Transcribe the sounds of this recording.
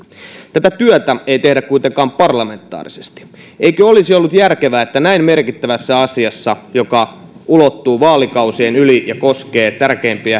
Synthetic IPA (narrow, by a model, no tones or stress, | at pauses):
t̪æt̪æt̪yœt̪æeit̪e̞hdækkuit̪eŋkɑːmpɑrlɑme̞nt̪ːˑɑ̰ːrisest̪i̥ | eikøolisiolːut̪jærkeʋæːet̪ːænæimmerkit̪ːæʋæsːæɑsiɑsːɑjokɑulot̪ːuːʋɑːlikɑuseːnylijɑkoske̞ːt̪ærkeːmpiæ